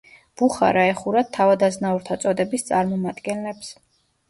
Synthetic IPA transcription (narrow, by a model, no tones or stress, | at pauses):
b̥uχa̰ɾaɛχuɾat̪t̪ʰːavad̪aznauɾt̪ʰat̪sʼɔd̪ɛbist̪sʼaɾmɔmad̪ɡɛnlɛps